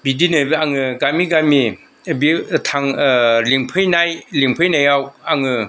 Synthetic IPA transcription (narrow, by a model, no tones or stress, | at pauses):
bidinɯaŋɯɡamiɡami | bitʰaŋliŋpʰɯjnajliŋpʰɯjnajawaŋɯ